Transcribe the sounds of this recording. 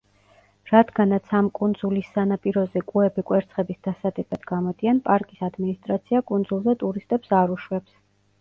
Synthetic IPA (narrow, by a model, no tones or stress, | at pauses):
ɾad̪ɡanat̪sʰamkʼund̪zulisːanapʼiɾɔzɛkʼuɛbikʼwɛɾt̪sʰχɛbisd̪̥asad̪ɛbad̪ɡamɔd̪ianpʼaɾkʼisad̪minist̪ʼɾat̪sʰiakʼund̪zulˠzɛt̪ʼuɾist̪ʼɛpsaɾuʃwɛps